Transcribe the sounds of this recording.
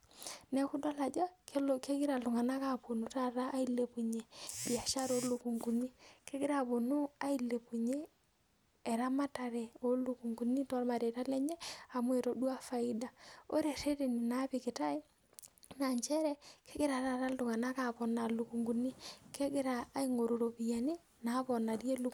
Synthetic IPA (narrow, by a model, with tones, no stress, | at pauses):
nɛ˦ku˦dɔ˦la˨d͡ʒɔ˦ke˦ɡɪ˦ɾa˨ltʊ˨ŋa˨na˦ka˨po˨nu˨ta˦ɾaː˦i˦le˨pu˨ɲe˨bi˨a˨ʃa˦ɾo˦lu˨ku˨ŋɡu˨ni˦ke˦ɡɪ˦ɾa˨bo˨nu˦a˦i˨le˨pu˨ɲeː˦˨ | ɾa˦ma˦ta˨ɾɛ˨o˦lu˨ku˨ŋɡu˨ni˦tɔ˦ɾma˨de˨ta˦lɛ˦ɲe˦a˨m˦ɛ˨ɾo˨du˦a˦fa˨ɪ˦da˨o˦ɾe˨ɾe˦te˨ni˨na˨˦pɪ˨kɪ˨ta˦ɪ˦ | na˨ɲt͡ʃɛ˦ɾɛ˦kʰe˦ɡɪ˦ɾa˨ta˨ta˦ldʊ˨ŋa˨na˦ka˨pɔ˨na˨lu˨ku˨ŋɡu˨ni˦ke˦ɡɪ˦ɾaː˨˦i˦ŋo˨ɾo˨ɾo˨pi˨ja˨ni˦ | na˨˦pɔ˨na˨dje˦lu˦